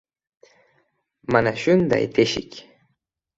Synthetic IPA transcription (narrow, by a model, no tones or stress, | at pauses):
manaʃʊnt̪a̰ɪ̰t̪ɪʃɪ̰k